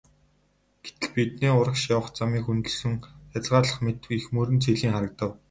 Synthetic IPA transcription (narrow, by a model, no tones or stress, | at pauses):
ɡ̥e̥t̪ɘ̆ɮpit̪̚neːʊɾə̆kʃawə̆χt͡samiːxunt̪ɵ̆ɮsɵ̆ŋχat͡sʁaːɮə̆χmet̪ɘ̆wixmɵːɾɘ̆nt͡sʰeɮiːŋχaɾə̆k̚t̪ə̆w